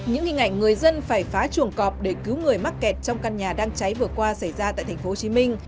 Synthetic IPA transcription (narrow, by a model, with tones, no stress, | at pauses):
ɲɨ̰˧˥ŋhï˨˩ŋ̟ʔa̰˧˨jŋ̟ŋɨ˨˩əjzə˧nfaː˧˩jfaː˨˦t͡ɕu˧˩əŋkɔ˨˩p̚ɗe˧˩ki˨˦wŋɨ˨˩əjma˦˥t̚kɛ˨˩t̚t͡ɕɔ˧wŋ͡mka˧nɲaː˨˩ɗaː˧ŋt͡ɕa˨˦jvɨ˨˩əkwaː˧sa˧˩jzaː˧t̪a̰ː˧˨jt̪ʰŋfo˦ho˧˩t͡ɕi˨˦mï˧ŋ̟